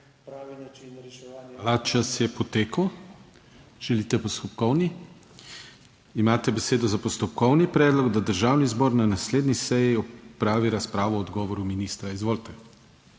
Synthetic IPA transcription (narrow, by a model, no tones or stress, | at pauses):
alat͡ʃasjɛpɔt̪eːkəw | ʒ̥ɛlit̪ɛpɔst̪ɔpkɔwni | imaːt̪ɛbɛseːd̪ɔzapɔst̪ɔp̚kɔwnipɾɛːd̪lɔɡd̪ad̪əɾʒaːwnizbɔːɾnanasleːd̪nisɛjiɔpɾaːʋiɾaspɾaːʋɔːd̪ɡɔːʋɔɾuminist̪ɾaizʋoːlt̪ɛ